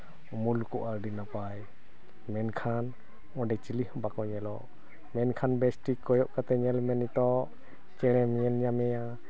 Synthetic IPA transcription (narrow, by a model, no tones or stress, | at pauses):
umulkɔʔaɾdinapaj | mɛnkʰan | ɔ̃dɛt͡ʃilihbakɔɲɛlɔʔ | mɛnkʰanbɛsʈikːɔjɔʔkat̪ɛɲɛlmɛnit̪ɔʔ | t͡ʃɛlɛmɲɛnɲamɛja